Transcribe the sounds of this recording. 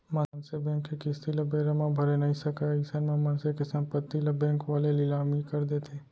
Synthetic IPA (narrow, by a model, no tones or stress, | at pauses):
mɐnsebɛ̃ːŋkːekɪst̪ilɐbeːɾəmãbʱɐɾenɐɦĩsɐkaɪsənmãmɐnsekesɐ̃mpət̪ːilɐbɛ̃ːŋkʋaːlelɪlaːmikɐɾd̪et̪ʰeː